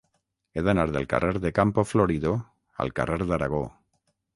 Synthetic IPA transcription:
eðanaɾðelka̰rʔeɾðekampofloɾiðo | a̰lkareɾðaɾaɣo̰

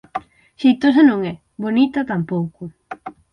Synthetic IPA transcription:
ʃijt̪os̬anõŋɛ | βonit̪ɐt̪ampowkʊ

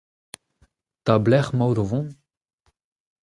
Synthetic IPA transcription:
t̪ablɛχmawɾovɔ̃

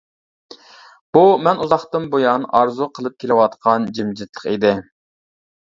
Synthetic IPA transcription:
b̥umɛnuzɑχt̪ɨnbojɑnɑɾzuqʰəlˠɨp̚kʲʰelɪwɑt̪qʰɑnd͡ʒimd͡ʒɪt̪lˠəχid̪ɪ

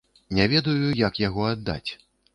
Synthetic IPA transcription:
nʲɛvʲɛd̪ɐjujɐkjaɣɔad̪ːa̰t͡sʲ

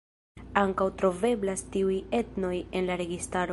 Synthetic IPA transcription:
aŋkawtɾo̞ve̞blastiuje̞tno̞je̞nlaɾe̞ɡistaɾo

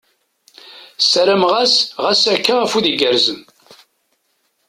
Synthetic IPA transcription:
sæɾəmʁæsʁæsækːææfuðiɡəɾzən

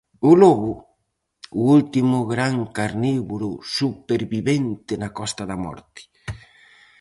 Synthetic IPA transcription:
ʊlɔβʊ | ʊult̪imʊɣɾaŋkaɾniβuɾʊsupeɾβiβent̪ɪnakɔst̪aðamɔ̰ɾt̪ɪ̥

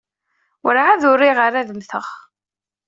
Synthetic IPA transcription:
wəɾʕaðʊɾːiʁəɾæðmθəʁ

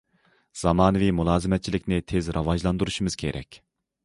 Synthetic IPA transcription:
z̥ɑmɑːnɨvimulˠɑːzɨmɛt̪̚t͡ʃʰilɪkʲnɪt̪ʰezɾʔɑvɑʒlˠɑnd̪uɾuʃumɨz̥kʲʰḛɾʔɛ̰kʲ

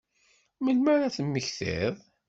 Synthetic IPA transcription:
məlmaɾæθəmːəçθɪ̰ðˤ

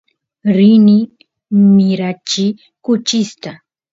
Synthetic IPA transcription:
ɾɪnɪ | mɪɾat͡ʃɪ | kʊt͡ʃɪst̪a

